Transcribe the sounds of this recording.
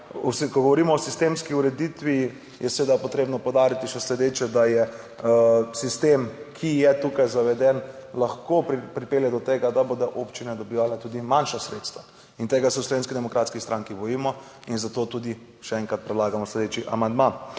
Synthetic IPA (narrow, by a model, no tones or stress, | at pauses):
ɔskɔɡɔʋɔɾiːmɔːsist̪emskiuɾɛd̪it̪ʋi | jɛsɛʋeːd̪apɔt̪ɾebnɔpowd̪aːɾit̪iʃɛslɛd̪eːt͡ʃɛd̪ajɛ | sist̪emkʰijɛt̪ukajzaʋɛd̪ɛnlaxkoppɾipeːljad̪ɔt̪eːɡad̪abod̪ɔʔoːpt͡ʃinɛd̪ɔbiʋalɛt̪uːd̪imanʃasɾet̪st̪ʋa | int̪eːɡasɛwslɔʋeːnskid̪ɛmɔkɾaːt̪skist̪ɾʔaŋkibɔjiːmɔ | inzat̪ot̪uːd̪i | ʃɛɛŋkɾat̪̚pɾɛd̪laːɡamɔslɛd̪et͡ʃiʔamand̪ma